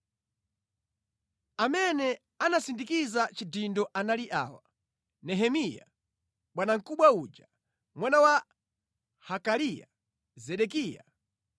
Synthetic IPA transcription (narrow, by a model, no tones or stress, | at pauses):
amɛnɛ | anasindikizat͡ʃidindɔʔanaliʔa̰wa̰ | nɛɦɛmija̰ | ɓwanaŋ̩kuɓwaud͡ʒa | mwanawa | hakalija̰ | zɛɗɛkiːja̰